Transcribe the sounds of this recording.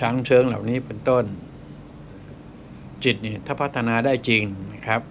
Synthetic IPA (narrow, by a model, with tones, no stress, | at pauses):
t͡ɕʰa˦ŋt͡ɕʰɤː˦˥ŋla̰˨˩wniː˦˥pe˧nt̪o˥˩n | t͡ɕi˨˩t̪̚ni˥˩t̪ʰaː˥˩pʰa˦˥t̪ʰːa˧naː˧daː˥˩jt͡ɕi˧ŋna˦˥kʰɾa˦˥p̚